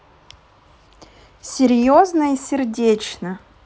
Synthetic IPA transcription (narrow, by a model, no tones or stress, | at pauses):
sʲɪɾʲjoznəisʲɪrdʲet͡ɕnə